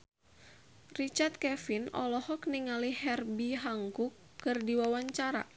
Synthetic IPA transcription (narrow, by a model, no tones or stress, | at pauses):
rit͡ʃart̪̚kɛfinɔ̰lɔhɔkniŋalihɛrbiɦaŋkukːɨrdiwawaɲt͡ʃaɾa̰